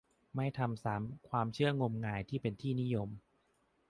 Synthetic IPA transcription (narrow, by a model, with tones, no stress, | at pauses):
ma˥˩jt̪ʰa˧msaː˩˦mkʰwaː˧mt͡ɕʰɯ˥˩ɐŋo˧mŋaː˧jt̪ʰiː˥˩pe˧nt̪ʰiː˥˩ni˦˥jo˧m